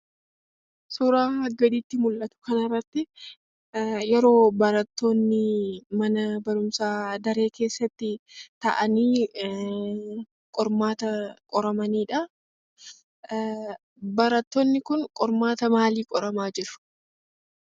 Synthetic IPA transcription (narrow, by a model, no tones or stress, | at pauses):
suːɾaːɐɡɐd̪iːt̪ːɪmʊlʔɐt̪ʊ̥kɐnɐrːɐt̪ːɪ | jɛɾo̞ːbɐɾɐt̪ːonːɪmɐnɐbɐɾʊmsaːd̪ɐɾe̞ːke̞ːsːɐt̪ːɪt̪ɐ̰ʔɐniː | kʼɔɾmaːt̪ɐkʼɔɾɐmɐniːᶑɐ | bɐɾɐt̪ːonːɪkʊnkʼɔɾmaːt̪ɐmaːliːkʼɔɾɐmaːd͡ʒɪɾʊ̥